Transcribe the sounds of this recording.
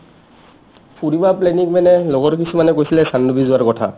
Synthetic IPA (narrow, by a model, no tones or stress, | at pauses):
puɹibaplɛnikmɛnɛloɡɔɹkisʰumanɛkojsilɛsanːubizʊaɹkɔtʰa̰